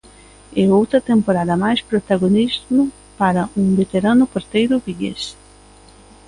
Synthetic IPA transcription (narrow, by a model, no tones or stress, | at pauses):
ɛowt̪ɾɐt̪empoɾaðɐmajspɾot̪aɣonizmʊ | paɾɐʔuŋbet̪eɾanʊpoɾt̪ejɾʊβiʎḛs